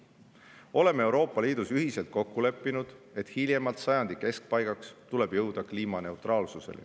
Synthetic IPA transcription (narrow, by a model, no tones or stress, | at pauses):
o̞le̞mee̞wɾo̞ːpːˑɑliːd̪̥usyɦise̞lt̪̚ko̞kːule̞pːinud̪̥ | e̞t̪hilʲje̞mɑlt̪sɑjɑnd̪̥ikːe̞sk̚pɑjɡ̥ɑkst̪ule̞b̥jɤwd̪̥ɑkliːmɑne̞wt̪rʔɑːlsuse̞̰l̰